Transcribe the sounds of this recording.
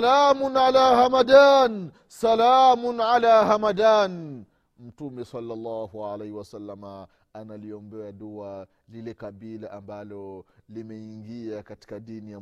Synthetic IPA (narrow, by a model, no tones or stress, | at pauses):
lamʊnʕalaːhamadan | salamʊnʕalahamadaːn | m̩tumɛsɑlːalːɑhualehiwasalːama | analiɔmbɛaɗua | lilɛkaɓilaʔambalɔlimɛiŋɡiakati̥kaɗinija